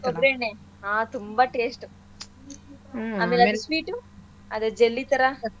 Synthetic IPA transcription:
koɡɾeɳe | aːt̪umbaʈeːsʈu | aːmeːlɐd̪usʋiːʈu | ɐd̪ed͡ʒelːit̪ɐɾa

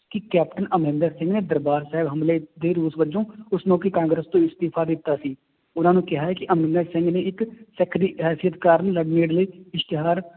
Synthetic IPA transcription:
kɪkɛːpʈənəmɪ̃nd̪əɾsɪ̃ŋɡneːd̪əɾbaːɾsaːɦɪbɦəmleːd̪eːɾuːsʋəd͡ʒõːʊsnõːkɪkãːŋɡɾəst̪õːɪst̪iːpʰaːd̪ɪt̪ːaːsiː | ʊnãːnũːkɪɦaːɦɛːkɪʔəmɪ̃nd̪əɾsɪ̃ŋɡneːɪksɛkʰd̪iːɦɛːsijət̪kaːɾənləɡneːɽləiːɪʃt̪ɪɦaːɾ

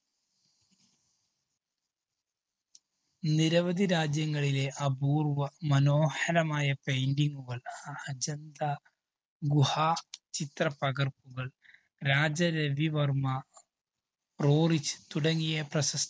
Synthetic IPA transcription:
niɾɐʋɐd̪ʱiɾaːd͡ʑjɐŋːɐɭile̞ʔɐbuːrʋɐmɐnoːhɐlɐmaːjɐpe̞jndiŋːɡuɣɐɭɐd͡ʑɐnd̪a | ɡuhaːt͡ɕit̪rɐpɐɣɐrpuɣɐɭ | ɾaːd͡ʑɐɾeʋiʋɐrmɐ | proːrit͡ɕːɨ̥t̪uɽɐŋːijɐprɐɕɐs

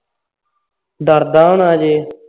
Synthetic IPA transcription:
d̪ɐɾd̪aːnaːd͡ʑeː

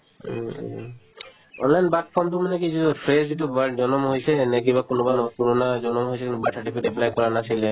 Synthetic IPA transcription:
ɔ̰nlajnbaʈkʰɔmt̪̬umanekid͡ʒupʰɾesd͡ʒeʈubaɖd͡ʒɔnɔmɦojsɛnɛk̬ibakonɔbanɔkoɾonad͡ʒɔnɔmɦojsʰɛkint̪ubaʈʰaʈipidɛpʰlajkɔɹanasile

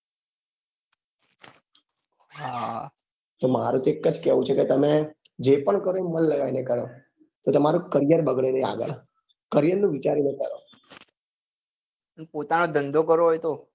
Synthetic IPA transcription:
ɦa | t̪omaɾũt̪oekːəd͡ʒkɛʋũt͡ʃʰeket̪əme | d͡ʒepəɳkəɾoemənləɡainekəɾo | t̪ot̪əmaɾũkəɾjəɾbəɡɭenea̰ɡə̰ɭ | kəɾijəɾnũʋit͡ʃaɾinekə̰ɾo | ənpot̪anod̪ənd̪ʱokəɾoɦojt̪o

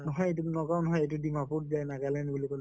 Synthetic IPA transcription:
nɔɦɔjtunɔɡawnɔɦɔjejtudimaput̚zajnaɡalanbulikolɛ

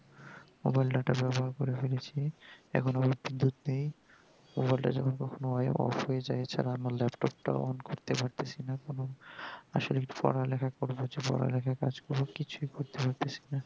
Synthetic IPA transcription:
mo̰bajlɖaʈabɛboɦaɾkoɾefelet͡ɕʰiɛ̰kʰonabaɾbind̪ʱut̪nej | mobajlʈa̰d͡ʑɛkʰonkɔkʰonoɔjɔ̰foed͡ʑajt͡ɕʰa̰ɾaamaɾlɛpʈɔp̚ʈa̰o̰nkoɾt̪epaɾt̪et͡ɕʰinakonoaʃolikpɔ̰ɾalɛkʰakoɾbod͡ʑepɔ̰ɾa̰lɛkʰaka̰d͡ʑkɔɾbokit͡ɕʰujkoɾt̪epaɾt̪et͡ɕʰi̥na

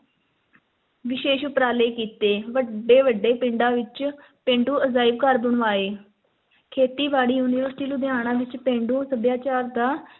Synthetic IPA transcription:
ʋɪʃeːʃʊpɾaːleːkiːt̪eːʋəɖeːʋəɖːeːpɪɳɖãːʋɪt͡ʃ | pẽːɳɖuːəzaːɪbkəɾbəɳʋaːeː | kʰeːt̪iːʋaːɽiːjuːnɪːʋəɾsʈiːnũːd̪ɪaːɽ̃ãːʋɪt͡ʃpẽːɳɖũːsəb̪jaːt͡ʃaːɾd̪aː

